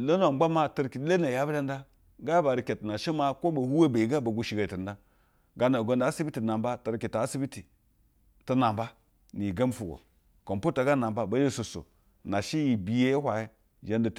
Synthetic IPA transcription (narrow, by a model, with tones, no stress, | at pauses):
lo˦no˨˦ɡ͡ba˦ma˦tə˦ɾki˨˦le˦na˨ja˦bɾa˦n˦da˦ | ɡa˦ba˨ɾi˨ke˨tna˨ʃi˦ma˦ko˦ba˨hu˦we˦ba˨i˨ɡa˦ba˨ɡu˨ʃi˨ɡa˨ti˨n˦da˦ | ɡa˦na˨ɡo˨˦nda˨˦si˦bi˦ti˨na˨mba˦ta˨ɾki˨ta˨a˦si˦bi˦ti˨ | tə˦na˨mba˦ | ni˨ɡa˦m˦fu˨ɡo̰˨ | ko˨mpu˦ta˨ɡa˦na˨mba˦ba˨˦je˦˨so˨so̰˨ | na˨ʃi˦ji˨bi˨je˦hʷa˨ji˦ | ʒe˦nda˨t